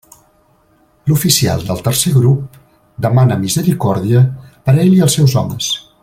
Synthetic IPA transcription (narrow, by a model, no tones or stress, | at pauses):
lufisia̰lˠd̪əlˠt̪ərseɣɾup̚ | d̪əmanəmizəɾikɔɾðiəpəɾeʎiəlˠsɛwzɔ̰mə̰s